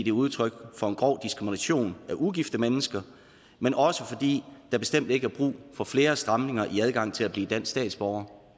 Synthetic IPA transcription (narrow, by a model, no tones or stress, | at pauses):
d̥e̝uð̞ˠt͡sʰʁœɡ̥fɒ̽e̝nɡ̥ʁɒ̰ʊ̰d̥isɡ̥ʁiminæɕo̝̰ːnæʔuɡ̥ifd̥əmenəsɡ̥ɐ | menʔɒ̽səfɒ̽d̥ḭːd̥ɑb̥e̝sd̥em̰d̥e̝ɡ̥əæɐb̥ʁṵːfɒ̽fle̝ːɐsd̥ʁɑ̈mne̝ŋɐʔiæð̞ˠɡ̥ɑ̈ŋ̰t͡sʰe̝læb̥liːd̥æn̰sd̥ɛ̰ːd̥sb̥ɒʊɐ